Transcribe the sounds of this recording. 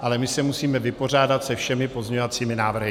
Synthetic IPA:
ʔalɛmɪsɛmusiːmɛvɪpo̞r̝aːdat̪sɛfʃɛmɪpo̞zɲeɲovat͡siːmɪnaːvr̩ɦɪ

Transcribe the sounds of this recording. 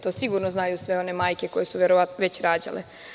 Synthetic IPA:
t̪o̞ːsiɡuɾnoznaːjusʋe̞o̞ne̞maːjke̞ko̞je̞suʋjeɾoʋat̪noʋet͡ɕɾaːd͡ʑa̰lḛ

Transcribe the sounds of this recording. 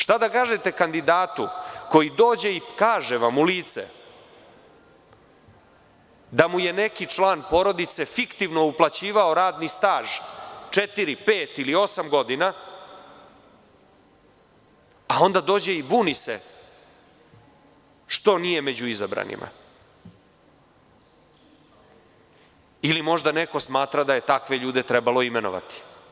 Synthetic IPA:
ʂt̪ad̪akaːʒet̪e̞kand̪id̪aːt̪uko̞jid̪o̞ːd͡ʑe̞ikaːʒeʋamuliːt̪sḛ | d̪amuje̞ne̞kit͡ʂlˠaːnpo̞ɾo̞d̪it̪se̞fikt̪iʋno̞uplˠat͡ɕiːʋao̞ɾaːd̪nist̪aːʒt͡ʂet̪iɾipeːt̪ilio̞samɡo̞d̪ina | ao̞nd̪ad̪o̞ːd͡ʑe̞ibuːnisḛ | ʂt̪o̞nije̞med͡ʑuizabɾa̰nḭmʔa̰ | ilimo̞ʒd̪aneko̞smaːt̪ɾad̪aje̞t̪akʋe̞ʎuːd̪e̞t̪ɾɛbalˠo̞imeno̰ʋa̰t̪i̥

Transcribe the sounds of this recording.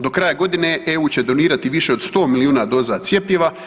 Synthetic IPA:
d̪o̞kɾajaɡo̞d̪ineeuːt͡ɕe̞d̪o̞niːɾat̪iʋiʃe̞od̪st̪o̞ːmiliuːnad̪o̞ːzat̪sje̞pʎeʋa

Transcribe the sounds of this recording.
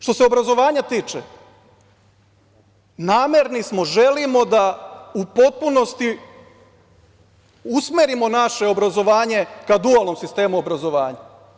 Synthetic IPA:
ʃt̪o̞seobɾazo̞ʋaːɲat̪iːt͡ʃḛ | naːmeɾnismo̞ʒe̞limo̞d̪aupo̞t̪̚puno̞st̪i | usmeɾimo̞naʃe̞o̞bɾazo̞ʋaːɲe̞kad̪ualˠno̞msist̪e̞ːmuobɾazo̞ʋaːɲa

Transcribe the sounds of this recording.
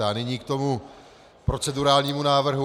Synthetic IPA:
aːnɪɲiːkt̪o̞mu | pɾo̞t͡sɛduɾaːlɲiːmunaːvr̩ɦu

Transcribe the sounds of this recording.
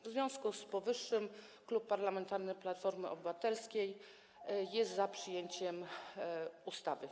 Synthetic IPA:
vzvʲjɔ̃w̃skuspɔvɘʂːɘm | klupːaɾlamɛnt̪aɾnɘplat̪fɔɾmɘɔbɘvat̪ɛlskʲej | jɛst̪zapʂɘjeɲt͡ɕɛm | ust̪avɘ

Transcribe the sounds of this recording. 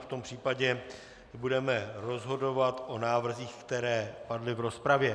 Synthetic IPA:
ft̪o̞mpr̥iːpaɟɛ | budɛmɛɾo̞zɦo̞do̞vat̪ʔo̞naːvr̩ziːxkt̪ɛɾɛːpadlɪvɾo̞spɾavjɛ

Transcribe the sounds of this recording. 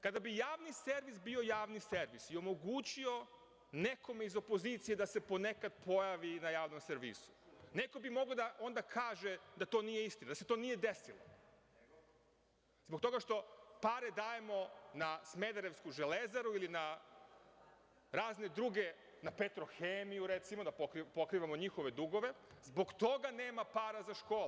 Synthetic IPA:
kad̪abijaːʋnise̞ɾʋisbio̞jaːʋnise̞ɾʋisio̞mo̞ɡuːt͡ɕio̞ | ne̞kʰo̞meizo̞po̞ziːt̪sije̞d̪ase̞po̞ne̞kad̪̚po̞jaʋinajaːʋno̞mseɾʋḭsu̥ne̞kobimo̞ɡod̪aʔo̞nd̪akʰaːʒe̞d̪at̪o̞ːnije̞ist̪inad̪ase̞t̪o̞ːnije̞d̪e̞silˠo̰ | zbo̞k̚t̪o̞ɡaʃt̪o̞paːɾed̪aːje̞mo̞nasme̞d̪aɾe̞ʋskuʒele̞zaɾuilina | ɾaːzne̞d̪ɾuːɡe̞ | napet̪ɾo̞xeːmijuɾe̞t̪simod̪apokipo̞kɾiːʋamo̞ɲixo̞ʋe̞d̪uɡo̞ʋe̞zbo̞ɡt̪o̞ɡane̞ːmapaːɾazaʃko̞ːl

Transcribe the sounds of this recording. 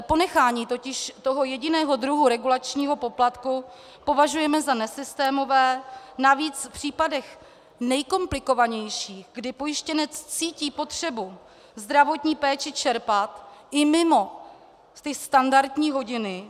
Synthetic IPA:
po̞nɛxaːɲiːt̪o̞cɪʃt̪o̞ɦo̞jɛɟɪnɛːɦo̞d̪ɾuɦuɾɛɡulat͡ʃɲiːɦo̞po̞plat̪ku | po̞vaʒujɛmɛzanɛsɪst̪ɛːmo̞vɛːnaviːt͡sfpr̝̥iːpadɛx | nɛjko̞mplɪko̞vaɲɛjʃiːxɡdɪpo̞jɪʃcɛnɛt͡st͡siːciːpo̞t̪r̥ɛbu | zd̪ɾavo̞t̪ɲiːpɛːt͡ʃɪt͡ʃɛɾpat̪ʔɪmɪmo̞ | t̪ɪst̪andaɾt̪ɲiːɦo̞ɟɪnɪ

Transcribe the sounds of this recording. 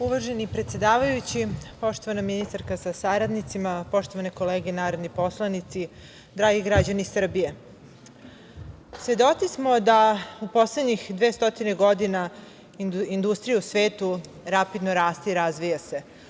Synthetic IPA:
uʋaʒenipɾe̞t̪sjed̪aːʋajut͡ɕipo̞ʃt̪o̞ʋanaminist̪aɾkasasaɾad̪nit̪simapo̞ʃt̪o̞ʋaneko̞leːɡenaːɾod̪nipo̞slˠanit̪si | d̪ɾaːɡiɡɾad͡ʑanisr̩bije | sʋe̞d̪o̞t̪sismo̞d̪aupo̞sled̪ɲixd̪ʋest̪o̞t̪ineɡo̞d̪ina | ind̪ust̪ɾijeusʋe̞ːt̪u | ɾapid̪no̞ɾaːst̪eiɾazʋijase̞

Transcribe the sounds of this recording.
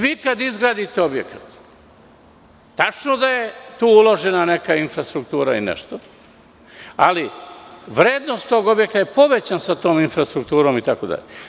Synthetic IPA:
ʋiːkad̪izɡɾaːd̪it̪eo̞bjekat̪ | t̪at͡ʃnod̪aje̞t̪uːulˠo̞ʒe̞nane̞kainfɾast̪ɾuk̚t̪uːɾainḛʃt̪o | aliʋɾeːd̪nost̪t̪o̞ɡo̞bje̞k̚t̪aje̞po̞ʋe̞t͡ɕansat̪o̞ːminfɾast̪ɾuk̚t̪uːɾo̞ːmit̪akod̪a̰ʎe

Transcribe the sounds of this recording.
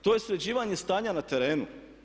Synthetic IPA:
t̪o̞jesɾed͡ʑiːʋaɲe̞st̪aːɲanat̪e̞ɾe̞ːnṵ

